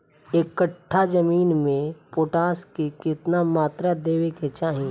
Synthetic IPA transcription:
ekːəʈʰːad͡ʒɐmiːnmẽpoːʈaːskekɪt̪namaːt̪ɾad̪eːʋeket͡ʃaːɦĩ

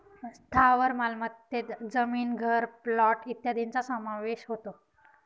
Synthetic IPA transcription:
st̪ʰaʋəɾmalmət̪ːet̪d͡zəmiːnɡʱəɾplɔʈit̪jad̪ʱint͡sasəmaʋeɕɦot̪o

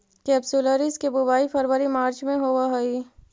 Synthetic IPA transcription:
kɛːbsuləɾɪskebʊbaːifəɾʋəɾimaːɾt͡ʃmẽɦoʋaɦoi

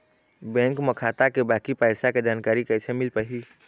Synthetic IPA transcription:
bɛ̃ːŋkməkʰaːt̪akebaːkipɛːsaked͡ʒaːnkaːɾikɛːsemɪlpəɦi

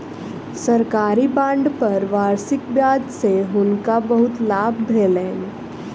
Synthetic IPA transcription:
səɾkaːɾibãːɳɖpəɾʋaːɾsɪkbjaːd͡ʒseɦʊnkabəɦʊt̪laːbʱbʱeːlẽːn

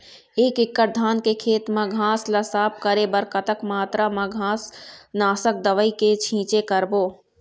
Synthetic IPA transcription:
eːkɪkːəɾ̚d̪ʱaːnkekʰeːt̪mãɡʱãːslɐsaːp̚kəɾebəɾkət̪əkmaːt̪ɾamãɡʱãːsnaːsək̚d̪əʋəiket͡ʃʰĩːt͡ʃekəɾboː

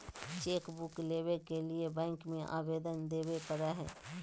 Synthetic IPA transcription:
t͡ʃeːkbʊkleːwekeliebɛ̃ːŋkmẽʔa̰ːbeːd̪ənd̪eːwepəɾaɦɛ̰ː

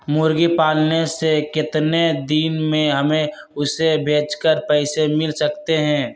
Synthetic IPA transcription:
mʊɾɡipaːlnesekɪt̪ned̪iːnmẽɦɐmẽ | ʊsebʱeːt͡ʃkəɾpɛɪsemɪlsɐk̚t̪eɦɛ̃ː

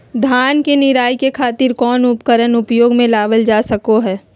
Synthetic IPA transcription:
d̪ʱaːnkenɪɾaːikekʰaːt̪ɪɾkɔːnʊpkəɾənʊpjoːɡmẽlaːʋəld͡ʒaːsɐkoɦɛː

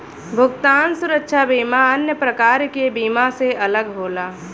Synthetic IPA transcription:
bʱʊɡt̪aːnsʊɾəkʃʰabiːmaənjəpɾəkaːɾkebiːmaseʔɐləɡɦoːlaː

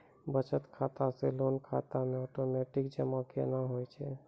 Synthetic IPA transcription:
bət͡ʃət̪kʰat̪aselonkʰat̪amẽɔʈomeʈikd͡ʒəmakḛnaɦojt͡ʃʰɛ

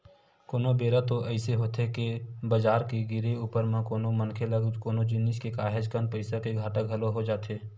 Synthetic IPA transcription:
koːnobeːɾat̪oʔɛɪseɦoːt̪ekebɐd͡ʒaːɾkeɡɪɾeuːpəɾmẽkoːnomɐnkʰeləɡkoːnod͡ʒɪnːɪʃkekaːɦed͡ʒkənpɐɪsakeɡʱaːʈəkɦɐloɦod͡ʒaːt̪ʰeː

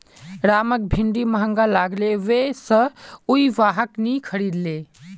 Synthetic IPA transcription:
ɾamək̚bʱiɳɖiməɦə̃ŋɡalaɡleʋesə̃uiʋaɦəknikʰəɾid̪le

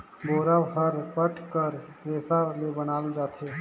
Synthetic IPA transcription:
boːɾaʋɦəɾpəʈʰkəɾʋeːsalebənaːld͡ʒaːt̪eː

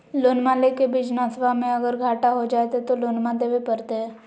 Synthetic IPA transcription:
loːnmalekebid͡ʒnaːsʋamẽɐɡəɾɡʱaːʈaɦod͡ʒaːet̪ɛt̪oloːnmãd̪eːʋepəɾt̪eɦɛ̃ː

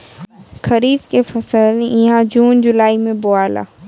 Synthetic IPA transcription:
kʰɐɾiːfkefɐsəlɪɦãd͡ʑuːnd͡ʑʊlaːimẽbʊaːla̰ː

